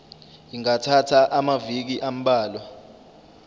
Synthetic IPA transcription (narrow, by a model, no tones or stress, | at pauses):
jiŋatʰatʰaʔamavik̬iʔam̩ɓaːlwa